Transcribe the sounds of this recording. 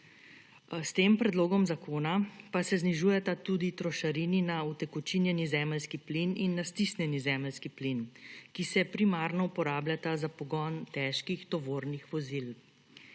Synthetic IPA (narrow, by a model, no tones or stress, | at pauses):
st̪eːmpɾɛd̪loːɡɔmzakʰoːnapasɛzniʒuːjɛt̪at̪ud̪it̪ɾɔʃaɾiːninaut̪ɛkɔt͡ʃinjɛnizɛːməlskiplininːast̪isnjɛnizɛːməlskiplinkisɛpɾimaːɾnɔupɔɾaːblʲjat̪azapɔɡɔnt̪ɛʃkixt̪ɔʋoːɾnixʋɔzil